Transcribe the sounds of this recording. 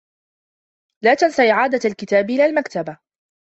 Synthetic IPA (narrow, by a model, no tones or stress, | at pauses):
laːt̪ansaʔɪʕaːd̪aalkɪt̪aːbʔɪlaːlmakt̪aba